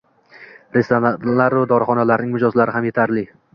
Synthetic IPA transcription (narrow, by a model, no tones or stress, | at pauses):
ɾest̪onalaɾvad̪ɒɾχɒnalaɾnɪŋmʊd͡ʒɒzlaɾɪɦamje̞t̪ʰaɾlɪ